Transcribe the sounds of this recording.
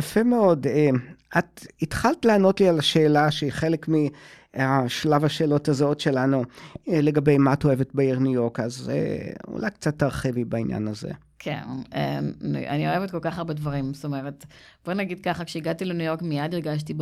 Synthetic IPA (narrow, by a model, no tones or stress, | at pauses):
jafemeo̞deatitχaltleano̞tlialaʃe̞ːlaʃeiχe̞lekmi | aʃlavaʃeːlo̞tazotʃe̞lanule̞ɡabe̞jmaatoevetbeiʁnujo̞kazḛṵlʔajkt͡sat̪ːaʁχevibainja̰nazḛ | kʰḛnḛmn̰a̰nioevet̚kolkaχaʁbedvaʁimst̪omeʁetb̥onaɡid̪̚kaχakʃeiɡatilenujo̞ʁkmijadiʁɡaʃ̬ti